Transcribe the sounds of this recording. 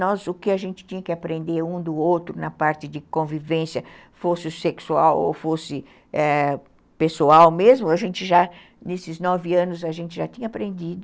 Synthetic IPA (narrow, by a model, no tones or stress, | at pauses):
nɔzʊkɪaʒẽnt͡ʃɪ̥t͡ʃ̪ĩɲɐkɪapɾẽnd̪eɾũd̪ʊowt̪ɾʊnɐpaɾt͡ʃɪd͡ʒɪkõvivẽsjɐ | fosɪʊseksuawo̰wfosɪ | ɛ | pesuawmezmʊaʒẽnt͡ʃ̪ɪʒa | nesɪznɔvɪɐ̃nʊzɐʒẽnt͡ʃ̪ɪʒat̪ĩɲɐapɾẽnd̪id̪ʊ